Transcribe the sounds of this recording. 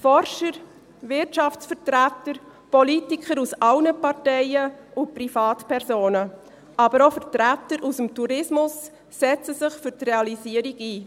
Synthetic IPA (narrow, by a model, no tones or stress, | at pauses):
fɔɾʃəɾ | vɪɾtʃɑft͡sfəɾtɾætəɾ | pɔlitikʰəɾusɑlnəpɑʁtɛɪəʊpɾifɑːtpɛɾsoːnə | ʔɑbəɾofəɾtɾætəɾʔusəmtuɾɪsmʊsː | ɛt͡səsɪχfʏɾtreɑlisiəɾiɡiː